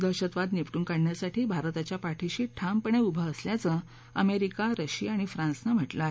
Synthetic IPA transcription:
d̪əɕət̪ʋad̪nipʈuːŋkaɽɳjasaʈʰiːbʱaɾt̪at͡ɕjapaʈʰiɕiːʈʰampəɳ̃eubʱəːsljat͡sə | əmeɾikaɾəɕiaɽ̃ifɾãnsnəm̤əʈlae

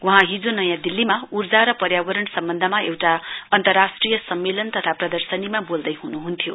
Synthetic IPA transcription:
wuɦãɦĩd͡zonʌjãd̪ilːimaurd͡zaɾʌpʌrɾjabʌɾʌɳsʌmbʌnd̪ʱʌmaewʈaʌnt̪ʌrːasʈrijʌsʌmːelʌnt̪ʌt̪ʰaprʌd̪ʌrsʌnimabold̪ʌjɦunuɦunt̪ʰjo̰

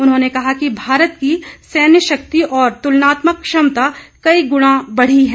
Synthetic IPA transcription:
ʊnɦõːnekɐɦakibʱaːɾət̪̚kisɛːnjəʃɐk̚t̪iʔɔːɾt̪ʊlnaːt̪məkːʃɐmt̪akɐiɡʊɽ̃ãbɐɽ̤iɦɛ̃ː

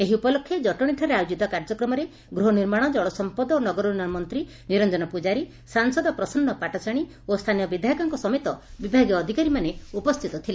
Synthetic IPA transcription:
eɦiupɔlokʰːjed͡ʒɔʈɔɽ̃iʈʰaɾeajod͡ʒit̪ɔkaɾd͡ʒɔkɾɔmɔɾe | ɡɾuɦɔniɾmaɽ̃ɔd͡ʒɔɭɔsɔmpɔd̪ɔonɔɡɔɾunɔmɔnt̪ɾi | niɾɔnd͡ʒɔnɔpud͡ʒaɾi | saŋsɔd̪ɔpɾɔsɔnːɔpaʈɔt͡ʃaɽ̃i | ost̪ʰanijɔbid̪ʱjaɦikɔŋkɔsɔmet̪ɔbibʱaɡjɔːd̪ʱikaɾimaneupɔst̪ʰit̪ɔt̪ʰilei

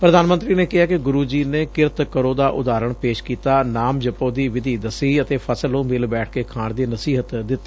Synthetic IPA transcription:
pɾəd̪aːnmənt̪ɾiːneːkɪɦaːkɪɡʊɾuːd͡ʒiːneːkɪɾt̪kəɾoːd̪aːʔʊ̰d̪aːɾəɳpeːʃkiːt̪aːnaːmd͡ʒəpoːd̪iːʋɪd̪ʱiːd̪əsiːət̪eːpʰəsəlõːmɪlbɛːʈ̚ʰkeːkʰaːɳd̪iːnəsiːɦət̪d̪ɪt̪ː

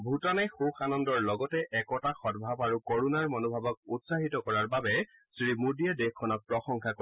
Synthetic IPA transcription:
bʱutɔnaxuxanɔndɔɹlɔɡɔtɛʔɛkɔtaxɔtbʱabaɹukoɹunaɹmɔnobʱabɔk̚utsaɦitɔkɔɹaɹbabɛ | sɹimudiadexkʰːɔnɔk̚pɹɔxɔŋkʰakɔ

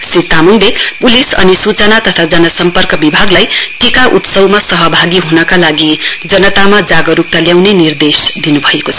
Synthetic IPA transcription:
srit̪amunlepulisʌ̰nisut͡sʌnat̪ʌt̪ʰad͡zʌnʌsʌmpʌrkʌbibʱaɡlajʈikaʔut̪sʌwmasʌɦʌbʱaɡiɦunʌkalaɡid͡zʌnʌt̪amad͡zaɡʌɾuk̚t̪aljawnenird̪esd̪inubʱʌekot͡sʰʌ

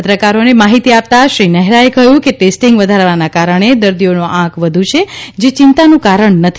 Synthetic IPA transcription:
ət̪ɾəkaɾonemaɦit̪iap̚t̪aʃɾinəɦɾaekəjũkeʈesʈiŋɡʋəd̪ʱaɾʋanakaɾəɳ̃ed̪əɾd̪ionoʔãkʰʋəd̪ʱũt͡ʃʰed͡ʒet͡ʃɪnt̪anũkaɾəɳnət̪ʰi

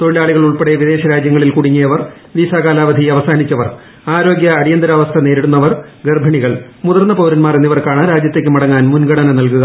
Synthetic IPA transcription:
t̪o̞ɻilaːɭiɣɐɭuɭpeɽeʋid̪e̞ːɕɐɾaːd͡ʑjɐŋːɐɭilkuɽiŋːijɐʋɐr | ʋisaːkaːlaːʋɐd̪ʱijɐʋɐsaːnit͡ɕːɐʋɐ̰r | aːɾo̞ːɡjɐːɽijɐnd̪ɐɾaːʋɐst̪ʰɐne̞ːɾiɽunːɐʋɐrɡerbʱɐɳiɣɐɭ | muðɐrnːɐpɐʋːɾɐnmaːrenːiʋɐrkaːɳɨɾaːd͡ʑjɐt̪ːekːɨmɐɽɐŋːaːnmunɡɐɽɐnɐnɐlkuɣɐ

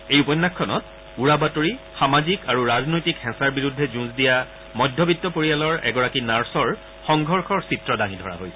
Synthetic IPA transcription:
ejupɔjnːakʰːɔnɔ̰t | uɹabatoɹi | xamazikaɹuɹaznojtikhɛ̃saɹbiɹudʱːɛzũzdija | mɔjdʱːɔbitːɔpoɹijalɔɹɛ̰ɡɔɹakinaɹsɔɹ | xɔŋɡʱɔɹxɔɹsitɹɔdaŋidʱɔɹa̰ɦojsɛ

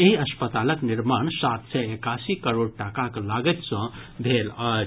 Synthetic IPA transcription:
eɦiəspət̪aləkniɾmaɳsat̪sɛekasikəɾoɽʈakaklaɡɛt̪sʌ̃b̪ʱelə

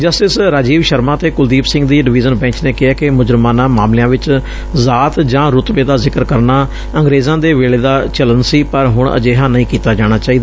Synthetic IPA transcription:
d͡ʒəsʈɪsɾaːd͡ʒiːʋʃəɾmãːt̪eːkʊld̪iːpsɪ̃ŋɡd̪iːɖɪʋiːzənbɛ̃ːɲt͡ʃneːkɪaːkɪmʊd͡ʒɾmãːnãːmaːmlejãːʋɪt͡ʃ | zaːt̪d͡ʒãːɾʊt̪ʋeːd̪aːzɪkəɾkəɾnaː | ə̃ŋɡɾeːzãːd̪eːʋeːɭeːd̪aːt͡ʃələnsiːpəɾɦʊɳ̃ʔə̰d͡ʒeːɦãːnəĩːkiːt̪aːd͡ʒaːɽ̃aːt͡ʃaːiːd̪aː

